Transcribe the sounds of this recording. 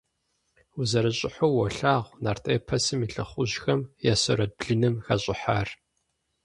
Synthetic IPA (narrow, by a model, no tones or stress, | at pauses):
uzɐɾɨɕʼɪħowɔɬaːʁʷnaːrtʼeːpʰɐsɨmiɬɨ̰χʷʊʑxɐmjaːsɐ̰ɾɐd̚bɮɨnɨmxaɕʼɪħaːr